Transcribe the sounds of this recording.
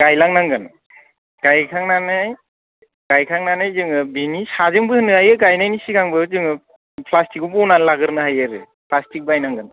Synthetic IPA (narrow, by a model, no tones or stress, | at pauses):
ɡ̥ajlaŋnaŋɡɯn | ɡ̥ajkʰaŋnanaj | ɡ̥ajkʰaŋnanajzɯŋɯbinisazɯŋbɯhɯnːɯajɯɡajnajnisikʰaŋbɯzɯŋɯ | pʰlastikubɔwnanlaɡɯɾnɯɦajɯɾɯ̰ | pʰlastik̚bajnaŋɡɯn